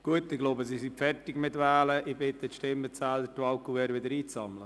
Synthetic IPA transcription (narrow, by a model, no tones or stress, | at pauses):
ɡ̥uətɪɡ̥loːbəsisɪpfɛrtɪɡmɪtʋɛːləʔɪbɪt̪ətʃtɪmət͡saːldətuɑʊkuʋɛːɾʋɪdəɾiːt͡sɑmlə